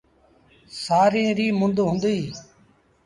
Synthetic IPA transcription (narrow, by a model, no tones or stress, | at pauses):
saːɾĩːɾiːmʊ̃nd̪ɦʊ̃nd̪iː